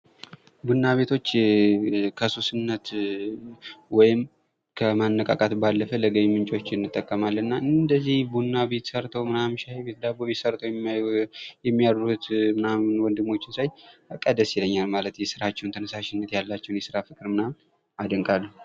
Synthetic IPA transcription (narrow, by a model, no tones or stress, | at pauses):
bunːaβe̞t̪ʰo̞t͡ʃː | kʰəsusɨnːət̪ | wɔjɪm | kʰəmanːəkʼa̰kʼat̪balːəfələɡəjmɨnt͡ʃʼo̞t͡ʃːɪɨnːɨt̪ʼːəkʼːəmalːəɨnːaʔɨnd̪əzːihbunːaβet̪səɾt̪ʰəwmɨnamʃajbet̪d̪aboβet̪səɾt̪ʰəwj | jɛmːijaɾɾut̪mɨnamwɔnd̪ɨmːo̞t͡ʃːɪnsajkʼəd̪əsjiləɲːalmalət̪jɛsɨɾat͡ʃːɛwnt̪ʰənəsaʃɪnːət̪jalːat͡ʃːɛwnjɛsɨɾafɨkʼɨɾmɨnam | ad̪əŋkʼalːə